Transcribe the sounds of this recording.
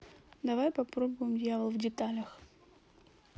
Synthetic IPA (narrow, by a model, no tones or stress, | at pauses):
d̪ɐvajpɐpɾobʊjɪmdʲjavəlˠvdʲɪt̪alʲəx